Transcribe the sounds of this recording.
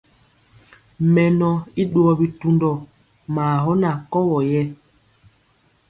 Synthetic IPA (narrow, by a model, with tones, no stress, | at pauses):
mɛ˨nɔ˨i˦ɗwɔ˨bi˨tu˨ndɔ˨ | maː˨ɦɔ˦na˨kɔ˦wɔ˨jɛ˦